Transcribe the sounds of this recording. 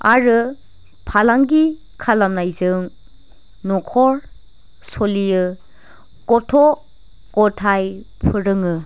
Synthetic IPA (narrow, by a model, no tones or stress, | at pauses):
aɾɯ | pʰalaŋɡi | kʰalamnajzɯŋ | nɔkʰɔɾ | solijɯ | kɔtʰɔ | kɔtʰajpʰɯɾɯŋɯ